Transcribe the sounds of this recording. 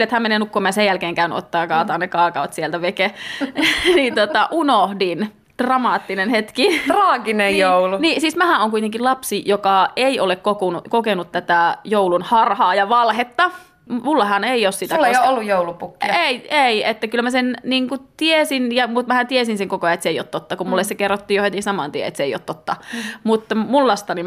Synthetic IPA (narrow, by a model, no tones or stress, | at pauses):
lːet̪hæmeneːnukːomɑjɑsejjælkeːŋkæyny̰ʔo̰t̪ːɑːɑkɑːt̪ɑːnnekɑːkɑot̪sielt̪æʋeke | niːnt̪ot̪ɑʔunohdin | d̥rɑmɑːt̪ːinenhet̪kit̪rɑːɡinejjouluniːsismæhæʔoːŋkuit̪eŋkilɑpsijokɑeiolekkokunukokenut̪t̪æt̪æjoulunhɑrhɑːjɑʋɑlhet̪ːɑ | mulːɑhɑneioːssit̪ælejoolːujjoulupukːieieiet̪ːækylmæsenniːŋkut̪iesinjɑmut̪mæhænt̪iesinseŋkokojɑet̪seio̰ːt̪tot̪ːɑkumulːesekerːot̪ːiːjohet̪isɑmɑ̰ːˑnt̪iḛḛt̪seˑio̰ːt̪t̪ot̪ːɑmut̪ːɑmulːɑst̪ɑni